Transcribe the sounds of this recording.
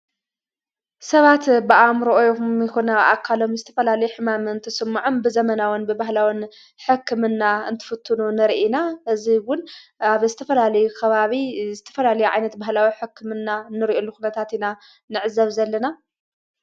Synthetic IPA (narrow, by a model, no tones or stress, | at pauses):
sɐβat̪bɨʔamɾoʔojomikonaʔa̰kʰːalo̞mzɨt̪ʰɐ̥fɐlalɐjuħɨmamɨɨnt̪ʰɐsɨmːʕombɨzɐmɐnawunbɨbahlawɨn | ħɨkʰːɨmɨnːaɨ̰nt̪ʰɨ̥fɨt̪ʰːununɨɾʔinaʔɨziwʊnaβzɨt̪ʰɐfɐlalɐjukʰɐβaβizɨt̪ʰɐ̥fɐlalɐjuʕa̰jnɐt̪bahlawiħɨkʰːɨmɨnːanːɨɾiʔolːuxunɐt̪ʰat̪ina | nɨʕɨzɐβzɐlːɐna